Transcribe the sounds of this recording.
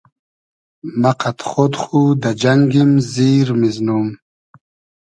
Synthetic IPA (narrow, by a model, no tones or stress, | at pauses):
maqat̪χod̪χud̪ad͡ʑaŋɡimziːɾmiznum